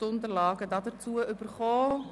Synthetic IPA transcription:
ʊndəɾlɑːɡədɑdət͡suəʔʏb̥əɾχɔː

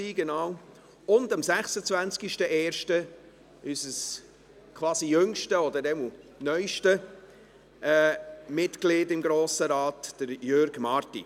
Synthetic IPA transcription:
iːɡɛnaːw | ʊndɑmsæχsət͡svænt͡skiʃtəʔɛːɾʃtə | ysəs | kʰvɑːsijɵŋʃtəɔdəɾɛmunœʏʃtə | ʔɛːmɪtklɪːdɪmɡɾoːsəɾɑːtd̥əɾjøɾɡ̥mɑːɾtḭ

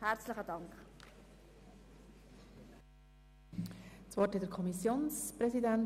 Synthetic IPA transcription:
hæɾt͡sləχədɑŋkχ | t͡svɔɾtɛtdəɾkʰɔmisjoːnspɾɛsidæn

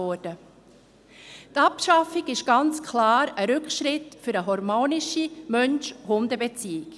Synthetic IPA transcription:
ɔːɾd̥ə | t̪ɑpʃɑfiɡɪʃɡ̥ɑnt͡skʰlɑːɾəɾʏkʃɾɪtfɵɾəɦɔɾmoːniʃimœnʃhʊndəbɛt͡siːɪk

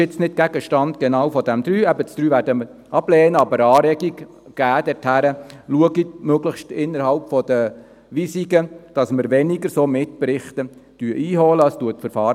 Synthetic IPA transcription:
ɪt͡snɪd̚ɡ̥æɡəʃtɑnd̪ɡ̥enɑwfɔd̥æmd̪ɾyːɛbət͡sd̥ɾyːvæːɾdəmə | ɑblɛːnəɑbəɾɑːɾɛɡiɡ | ɡ̥æːd̥̪ɛɾthæɾəluəɡimøɡləʃtɪnːəɾhɑlpfɔd̥̪ə | ʋisiɡəd̥ɑsməɾʋɛniɡəɾsoːmɪtpɾɪχt̪əd̥yəʔiːɦɔləəstuətfəɾfɑːɾ

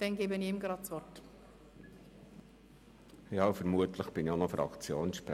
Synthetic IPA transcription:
d̥ɛnɡeːbəniɪmɡɾɑtt͡sʋɔrt | jɑːfəɾmuətləχb̥ɪnonɔfɾɑ̰kt͡sjoːnʃp

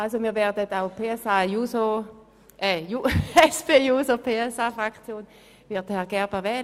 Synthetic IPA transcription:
ʔalsomiːɐvɛɐdətaʊpʰeːɛsajuːso | ʔɛjuɛspeːjuːsopʰeːɛsaːfʁakt͡sjoːn | vɪɐt̚dəhɛɐɡ̥ɛɐbɛɐvɛːl

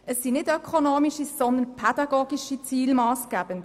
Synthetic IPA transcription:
əsːinɪdœkʰonoːmiʃisɔnd̪ənpʰɛd̥ɑɡoːɡiʃit͡siːlmɑːsɡ̥æːb̥ənd

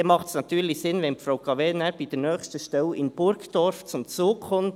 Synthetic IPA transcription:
ɛmɑχtsnɑt̪ʰyːɾlɪçsɪnvɛnpfɾaʊkɑvɛnaɾb̥iːd̥ɛːnœːçstəʃtɛlɪnb̥ʊɾkd̥ɔɾft͡sʊmt͡suːkʰɔm

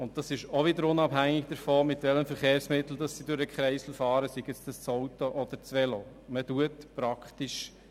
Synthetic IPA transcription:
ʊnt̚d̥ɑsɪʃoʋɪdəɾʊnɑbhæŋɪɡ̚d̥əɾfɔmɪtʋɛləmfəɾχeːɾsmɪtl̩dɑsːidʊɾəkχɾɛɪsl̩fɑːɾəsiɡɛt͡sd̥ɑst͡soʊtɔʔɔd̪̥əɾt͡sʋɛlo | mətuətpɾɑkχtiʃ

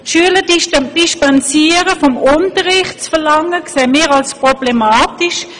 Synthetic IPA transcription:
ʃyːələdd̥iʃtɑnt͡siːəʁəfɔmʊntəʁɪχtt͡sfəlɑŋəkseːmiːʁɑlspʁɔb̥lemaːtɪʃ

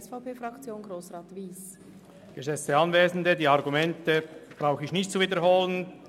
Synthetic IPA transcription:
sfaʊpeːfɾɑkt͡sjoːnɡʁoːsʁaːtviːs | ɡ̥əzɛt͡stəɑnveːzn̩dədiːɑʁɡumɛntəb̥ʁaʊxəɪçnɪçt̚t͡suviːdəɾɦoːlən

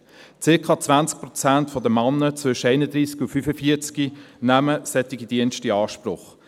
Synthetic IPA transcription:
t͡sɪkʰɑːt͡svænt͡sk̚pɾʁɔt͡sæntfɔdəmɑnːət͡svʏʃəæɪnəd̪ɾiːsɡufyfəfiət͡skinæməsɛt̪ɪɡidiənʃtiɑːʃpɾʊχ

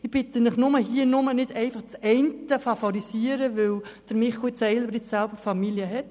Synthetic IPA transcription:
ɪb̥ɪt̪ənɪχnʊməɦiːənʊmənɪd̥ɛɪfɑχt͡sɛɪntəfɑfɔɾisiːəɾəʋɪld̥əɾmɪχʊt͡sɛɪlbəɾɪt͡ssælbəɾfɑmiljəɦɛt

